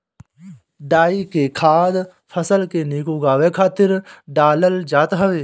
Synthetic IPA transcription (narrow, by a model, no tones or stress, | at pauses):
ɖaːikekʰaːd̪ | pʰəsəlkeniːkuɡaːʋekʰaːt̪ɪɾɖaːləld͡ʒaːt̪ɦəʋeː